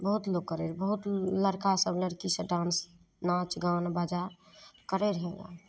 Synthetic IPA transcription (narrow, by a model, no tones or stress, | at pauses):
bəɦut̪loɡ̚kːəɾeɾbəɦut̪ləɾkasəbləɽkisəɖans | nat͡ʃɡawnbad͡ʒa | kəɾeɾɦeɡa̰